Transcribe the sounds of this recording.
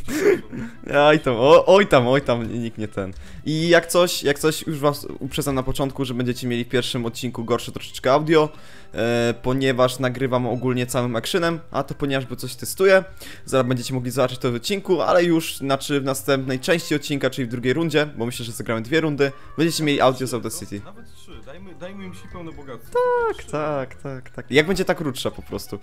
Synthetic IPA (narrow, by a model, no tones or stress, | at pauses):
ajt̪amɔʔɔjt̪amɔjt̪amɲikɲɛt̪ʰɛn | ʔijakt̪sɔɕjak̚t̪sɔɕjuʐvasṵpʂɛd̪zamnapɔt͡ʂɔnt̪̚kuʐɛbɛɲd͡ʑɛt͡ɕɛmʲjelʲifpʲjɛɾfʂɘmɔt̪̚t͡ɕinkuɡɔɾʂɛt̪ɾɔʂɛ̥t͡ʂkɛawd̪ʲjɔ | pɔɲɛvaʂnaɡɾɘvamɔɡulɲɛt̪sawɘmakʂɘnɛmʔa̰t̪ɔpɔɲɛvaʐbɔt̪sɔɕt̪ɛst̪ujɛ | zabɛɲd͡ʑet͡ɕɛmɔɡlʲizabat͡ʂɛ̥t͡ɕt̪ɔvɔt̪̚t͡ɕːinkua̰lɛjuʂnat͡ʂɘvnast̪ɛmpnɛjt͡ʂɛ̃w̃ɕt͡ɕiɔt̪̚t͡ɕːinkat͡ʂɘlivd̪ɾuɡʲejɾund͡ʑɛbɔmɘɕlɛʐɛzaɡɾamɘd̪vʲjɛɾund̪ɘ | bɛɲd͡ʑet͡ɕɛmjelʲiʔawd̪ʲjɔzawd̪ɛsit̪ʲinavɛt̪ʂɨd̪aj | d̪ajmɨimɕipɛwnɛbɔɡat̪t̪akt̪akt̪akt̪akjaɡ̚bɛɲd͡ʑɛt̪akɾutʂapɔpɾɔst̪u